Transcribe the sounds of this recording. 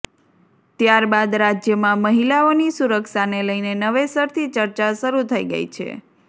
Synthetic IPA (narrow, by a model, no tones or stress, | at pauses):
t̪jaɾbad̪ɾad͡ʒjəmãməɦilaonisuɾəkʃaneləjnenəʋesəɾt̪ʰit͡ʃəɾt͡ʃaʃəɾut̪ʰəiɡə̰ḭt͡ʃʰḛ